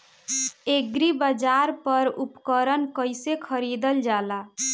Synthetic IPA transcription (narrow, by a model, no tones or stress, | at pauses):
eɡɾibəd͡ʒaɾpəɾupkəɾənkəjsekʰəɾid̪əld͡ʒala